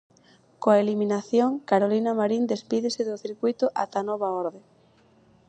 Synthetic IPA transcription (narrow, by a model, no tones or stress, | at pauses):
koaelimĩnaθjoŋkaɾolinamaɾind̪espiðeseðoθiɾkujt̪oʔat̪anoβ̞aoɾðe